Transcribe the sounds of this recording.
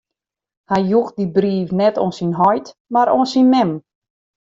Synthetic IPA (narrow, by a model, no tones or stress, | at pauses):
hajjuxdibriːfnɛtonsinɦɔjtmaɾonsinmɛm